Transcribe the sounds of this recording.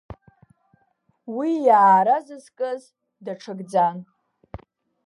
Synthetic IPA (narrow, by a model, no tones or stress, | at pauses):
wijaːɾazɨzkʼɨz | daʈ͡ʂʰɨɡd͡zan